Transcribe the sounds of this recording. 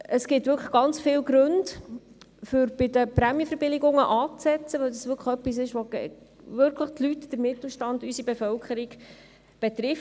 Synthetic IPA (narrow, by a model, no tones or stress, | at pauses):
əsɡ̥ɪtʋʏɾkχə̥χɡ̥ɑnt͡sfɪːlɡɾɵnd | fʏɾb̥ɪdəpɾæmjəfəɾb̥ɪlɪɡʊŋəʔɑːt͡sɛt͡səʋœwdɑsʋʏɾkʰə̥œpis̬ɪʃʋoɡɛ̰ | vʋʏɾkʰləχtlytd̥əɾmɪtl̩ˠʃtɑndysibɛfœlkʰəɾiɡ̥ | b̥ɛt̪ɾɪf